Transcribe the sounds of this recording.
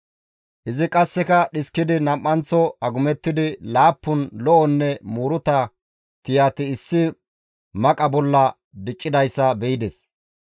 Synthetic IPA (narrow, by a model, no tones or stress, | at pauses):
ʔɪzɪkʼɐsːɛkɐɗɪskːɪd̪ɪnɐmʼːɐnt͡sɔɐɡʊmɛt̪ːɪd̪ɪlaːpːʊnlɔʔɔnːɛmuɾʊt̪ɐ | t̪ɪjaːt̪ɪːsːɪ | mɐkʼɐbɔlːɐ | d̪ɪt͡ʃʼːɪd̪ɐjsːɐbɛjɪd̪ɛs